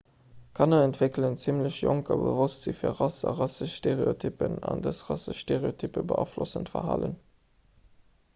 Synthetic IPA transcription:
kʰɑnɐɛntv̥eklənt͡simləɕjoŋkɑbə̰vostz̥ifiːɐʁɑsɑ̰ʁɑsəʃʃteʁeotʰypənɑndəsʁɑsəʃʃteʁeotʰypəbəʔɑ̰ːflosəntfɐ̰ɦɑ̰ːlə̰n

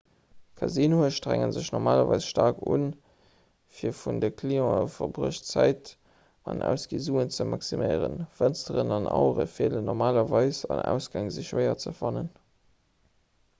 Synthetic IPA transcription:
kʰɑzinoəʃtʁæŋənzəɕnɔʁmaːlɐvɑɪsʃtɑːkʰun | fiːɐfundəkʰliɔ̃əfɐʁbʁəɕt͡sæɪt | ɑnʔæ̰ʊsɡizuːənt͡səmɑksiməɪʁənfænstəʁənɑnɑʊʁəfiələnːɔʁmaːlɐvɑɪsɑnæ̰ʊsɡ̥ɑŋzəɕvəɪɐt͡səfɑnən

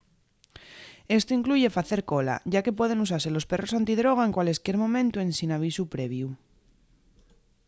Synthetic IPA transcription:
e̞st̪oiŋkluʝe̞faθe̞ɾko̞la̰ɟ͡ʝake̞p̬we̞ð̞e̞nus̬aɾse̞lo̞spe̞ro̞sant̪iðɾo̞ɣae̞ŋkwale̞skje̞ɾmõ̞mẽnt̪uẽ̞nsinaβ̞isupɾe̞βju

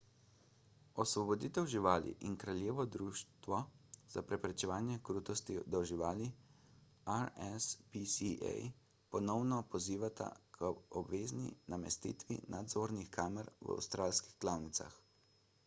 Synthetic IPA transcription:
ɔsʋɔbɔd̪iːt̪ɛwʒiʋaːlḭʔinkɾaljeːʋɔd̪ɾuːʃt̪ʋɔz̥apɾɛpɾɛt͡ʃɛʋaːnjɛkɾuːt̪ɔst̪id̪ɔʒiʋaːli | aɾɛspisiɛ̰j | pɔnɔwnɔpɔziːʋat̪a̰kʰəɔbʋeːznḭnamɛst̪ḭːt̪ʋḭnad̪zoːɾnixkaːmɛɾʋa̰wst̪ɾʔaːlskixɡlawnit̪sa̰x

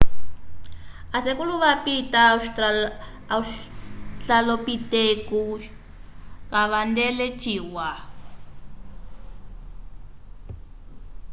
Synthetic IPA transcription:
asekuluβapita | t͡ɬalopiteku | βaβandɛlɛt͡ʃʰiːwa

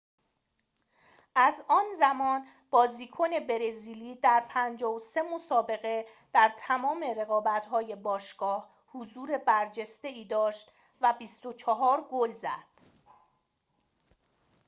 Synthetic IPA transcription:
ʔæzɒːnzæmɒːn | b̥ɒːziːkʰone̞be̞ɾe̞ziːliːd̪æɾpʰænd͡ʒɒːvose̞mo̞sɒːbe̞ɣe̞ | d̪̥æɾt̪ʰæmɒːme̞ɾe̞ɣɒːbæt̪ɦɒːje̞bɒːʃɡ̥ɒːh | huzuːɾe̞bæɾd͡ʒe̞st̪e̞iːd̪ɒːʃt̪ | væbiːst̪ot͡ʃʰɒɦɒːɾɡolzæd̪̥

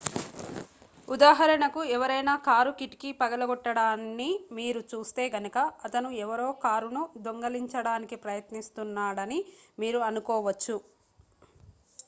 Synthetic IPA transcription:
ud̪aːɦɐɾɐɳɐkuɛʋɐɾɐjnaːkaːɾukiʈkipɐɡɐlɐɡɔʈːɐɽaːnːimiːɾut͡ʃuːst̪e̞ːɡɐnɐkɐɐt̪ɐnuɛʋɐɾo̞ːkaːɾunud̪oŋɡɐliɲt͡ʃɐɽaːnikipɾɐjɐt̪nist̪unːaːɽɐnimiːɾuɐnukɔːʋɐt͡ʃːu

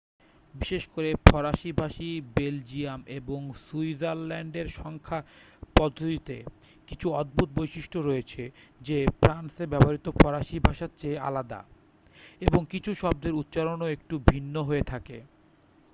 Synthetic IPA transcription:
biʃeʃkoɾepʰɔɾaʃibʱaʃibeld͡ʑiameboŋsuizaɾlɛɳɖeɾʃɔŋkʰa | pɔd̪ʱːod̪it̪ḛ | kit͡ɕʰuɔd̪̚bʱut̪̚bojʃiʃʈoɾojet͡ɕʰed͡ʑefɾansebɛpaɾit̪opʰɔɾaʃibʱaʃatt͡ɕʰea̰lad̪a̰ | eboŋkit͡ɕʰuʃɔb̚d̪eɾut̪ːɕaɾonoek̚ʈubʱinːoɦoet̪ʰake

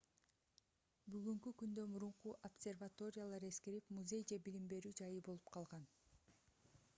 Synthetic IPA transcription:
byɣyŋkykynd̪ømuɾuɴquʔopsʲe̞rvat̪o̞ɾʲɪjalˠɑɾe̞skeɾipmuzʲe̞jd͡ʒe̞bilimbe̞ɾyːd͡ʒɑjɯbo̞lˠupqʰɑlˠʁɑn

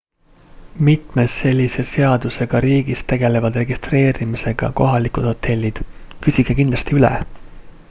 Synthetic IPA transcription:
mit̪ˑme̞sːe̞lʲːise̞se̞ɑd̪̥use̞ɡ̥ɑɾiːɡ̥ist̪e̞ɡ̥e̞le̞vɑd̪re̞ɡist̪re̞ːɾimise̞ɡ̥ɑ̰ko̞ɦɑlikud̪̥ho̞t̪ʰːˑe̞lʲːid̪̥kysʲiɡ̥ekind̪lɑst̪iylḛ

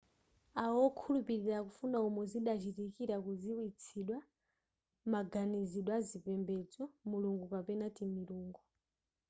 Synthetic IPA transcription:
aɔkʰulupiɾiɾakufunaumɔziɗat͡ʃitikiɾakuziwit͡sʰiɗwa | maɡaniziɗwazipɛmbɛd͡zɔmuluŋɡupapɛnatimiɾuːŋɡɔ

